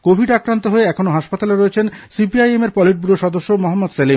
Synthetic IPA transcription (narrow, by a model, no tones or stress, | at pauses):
kobʱiɖakɾant̪oɦoeɛkʰonoɦaʃpat̪aleɾoet͡ɕʰensipiajemeɾpɔliʈ̚buɾoʃɔd̪oʃːomɔɦamːod̪selim